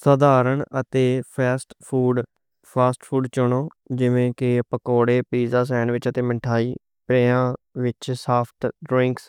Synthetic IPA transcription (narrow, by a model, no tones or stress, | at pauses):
səd̪aːɾəɳət̪eːpʰɛːsʈpʰuːɖ | pʰaːsʈpʰuːɖt͡ʃʊɳoː | d͡ʒɪʋẽːkɪpəkoːɽeːpiːzaːs̬ɛːnʋɪt͡ʃət̪eːmə̃ɳʈʰaːiː | pɾɛːãːʋɪt͡ʃsaːpʰʈɖɾɪ̃ŋks